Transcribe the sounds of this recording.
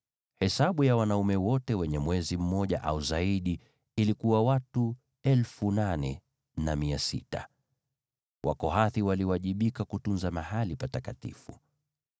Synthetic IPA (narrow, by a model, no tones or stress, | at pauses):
hɛsaɓujawanaumɛwɔtɛwɛɲɛmwɛzim̩mɔʄa̰ʔa̰uzaiɗiː | likuwawatu | ɛlfunanɛ | namiasḭta̰ | wʔa̰kɔɦaθiwaliwaʄiɓikakutunzamahalipatakatḭfṵ